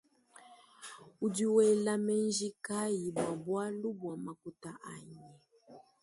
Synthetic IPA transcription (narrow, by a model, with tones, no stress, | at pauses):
u˨di˨wɛ˨la˨mɛ˦nd͡ʒi˦ka˦ji˨bwa˨bwa˦lu˦bwa˨ma˨ku˨ta˨ʔa˨ɲɛ˨